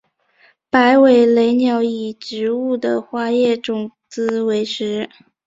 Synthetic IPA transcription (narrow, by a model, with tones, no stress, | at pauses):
pa˧˥ɪwe˨˩ɪle˧˥ɪnjɑ˧˥ʊi˨˩ʈ͡ʂɻ̩˧˥u˥˩d̪ə˩xwa˥jɛ˥˩ʈ͡ʂʊ˨˩ŋt͡sɹ̩˥we˧˥ɪʂɻ̩˧˥